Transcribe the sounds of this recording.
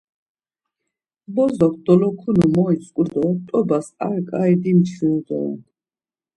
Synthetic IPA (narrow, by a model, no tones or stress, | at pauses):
bɔzɔk̚ʰd̪̥ɔlɔkʰunumɔit͡sʼkʼud̪ɔt̪ʼɔbasa̰ɾkʼaid̪imt̪ʰild̪ɔ̰